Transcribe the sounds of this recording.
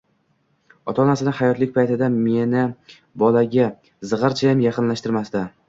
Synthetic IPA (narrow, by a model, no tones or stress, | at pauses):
ɒt̪ʰɒnasɪnɪhajɒt̪lɪk̚ʲpʰajt̪ɪd̪ame̞nɪ | bɒlaɡʲa | zɨʁɨɾt͡ʃʰajamjɑqʰɨnlaʃt̪ɪɾmast̪a